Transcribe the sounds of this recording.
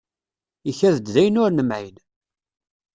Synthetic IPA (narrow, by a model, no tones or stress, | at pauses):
içæðəd̪ðæjənʊɾnəmʕin